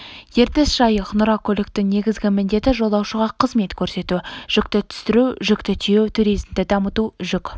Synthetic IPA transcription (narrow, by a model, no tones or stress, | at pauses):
je̞ɾt̪esʒ̥ɑjəqnʊɾɑkʲʰɵlɪk̚t̪ɪŋne̞ɡʲɪzɡʲɪmɪnd̪e̞t̪ɪʒo̞lˠɑwʃəʁɑqʰəzme̞t̪kʲʰɵɾse̞t̪uʒ̥ʏkt̪ɪt̪ʰʏ̥st̪ɪɾuʒʏkt̪ɪt̪ʰijewt̪ʰuɾijzɪmd̪ɪd̪ɑmət̪uʒʏk